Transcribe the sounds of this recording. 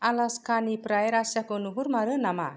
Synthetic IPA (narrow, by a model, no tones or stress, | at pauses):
alaskanipɾajɾasakonuɦurmaɾənama